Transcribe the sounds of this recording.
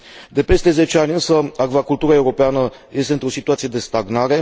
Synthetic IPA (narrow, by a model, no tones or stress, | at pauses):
d̪e̞pe̞st̪e̞ze̞t͡ʃanʲɨnsəaɡvakult̪uɾae̞uwɾo̞peanəje̞st̪e̞ɨnt̪ɾo̞sit̪uat̪sijed̪e̞st̪aɡnaɾe̞